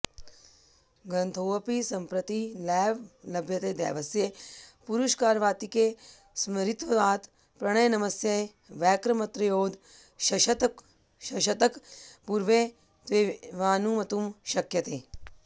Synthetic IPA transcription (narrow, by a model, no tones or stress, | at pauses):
ɡɐnt̪ʰoːɐpisɐmpɾɐt̪ilɛːʋlɐbjɐt̪eːd̪ɛ̰ːʋɐsjepuɾuʃkaːɾʋaːt̪ike | smɐɾit̪ʋɐʋaːt̪ | pɾɐɽ̃ɐjnɐmɐsjɐ | ʋɛːkɾɐmɐt̪ɾɐjoːd̪ | ʃɐʃɐt̪ | ʃɐʃɐt̪ɐkpuɾʋe | t̪ʋeʋaːnumɐt̪umʃɐkjɐt̪eː